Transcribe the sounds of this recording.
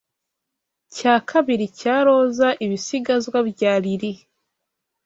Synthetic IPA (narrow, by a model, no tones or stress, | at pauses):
caːkʰaβiɾicaːɾo̞ːzaʔiβisiɡazwaβjaːɾiɾi